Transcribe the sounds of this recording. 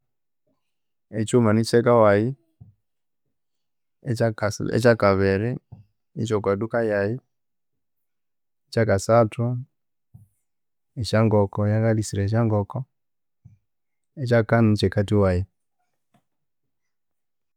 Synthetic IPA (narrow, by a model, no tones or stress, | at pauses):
et͡ʃumanit͡ʃɛkawai | asɛ̰t͡ʃakaβɛɾɛ | it͡ʃɔkwaɗukajai | et͡ʃakasatɔ | et͡ʃaŋɡɔkɔjakalisiɾaʃ̬aŋɡɔkɔ | et͡ʃakanut͡ʃɛkatiwaji